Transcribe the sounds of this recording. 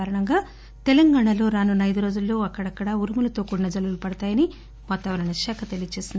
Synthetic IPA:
aːɾɐɳɐŋɡaː | t̪elɐŋɡaːɳɐlo̞ːɾaːnunɐjd̪uɾo̞ːd͡ʒulːo̞ːɐkːɐɽɐkːɐɽauɾumulɐt̪o̞ːkuɳːɐd͡ʒɐlulupɐɽɐt̪aːjɐni | ʋaːt̪ːaːʋɐnɐnɐʂaːkʰɐt̪elijɐt͡ʃeːsind̪i

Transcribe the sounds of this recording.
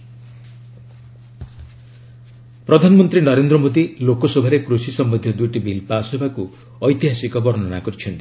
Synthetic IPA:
pɾɔd̪ʱanɔmɔnt̪ɾinɔɾend̪ɾɔmod̪ilokɔsɔbʱaɾekɾusisɔmbnd̪ʱjɔd̪ujʈibʱilpasɔbʱaku | ɔjt̪iɦasikɔbɔɾɔnɔna̰kɔɾit͡ʃʰɔnt̪i

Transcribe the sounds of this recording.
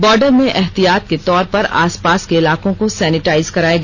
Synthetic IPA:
bɔːɾɖəɾmẽʔɛɦt̪ijaːt̪̚ket̪ɔːɾpɐɾa̰ːspaːskeɪlaːkõkosɛːnɪʈaːɪzkɐɾaːeɡː

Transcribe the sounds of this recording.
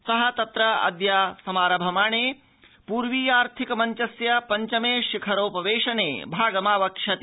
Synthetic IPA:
sɐɦɐ̆t̪ɐt̪ɾɐɐ̰d̪jaːsɐmaːɾɐbʱɐmaːɳeː | puːɾʋiːjaːɾt̪ʰikɐmɐɲt͡ʃɐsjɐpɐɲt͡ʃɐmeːʃikʰɐɾoːpɐʋeːʂɐnḛːbʱaːɡɐmaːʋɐkʂɐt̪i

